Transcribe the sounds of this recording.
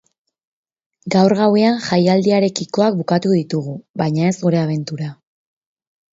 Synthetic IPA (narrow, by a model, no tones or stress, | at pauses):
ɡawɾɣawe̞anʝajald̪iaɾe̞kiko̞ak̚bukat̪uðit̪uɣ̞uβajɲae̞zɣuɾe̞aβ̞e̞nt̪uɾa